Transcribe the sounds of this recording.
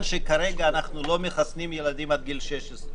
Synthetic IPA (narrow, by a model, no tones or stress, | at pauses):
nʃekaɾeɡaːnaχnulo̞meχasnimjelad̪imad̪̚ɡilʃeʃes